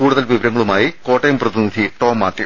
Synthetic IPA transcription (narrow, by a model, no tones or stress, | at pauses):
kuːɽuðɐlʋiʋɐɾɐŋːɐɭumaːjiko̞ːʈːɐjmprɐðinid̪ʱiʈoːmːaːt̪ːi